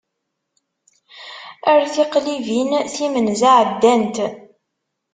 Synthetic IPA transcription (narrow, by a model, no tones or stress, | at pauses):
əɾθiqlivinθimənzaʕəd̪ːænt̪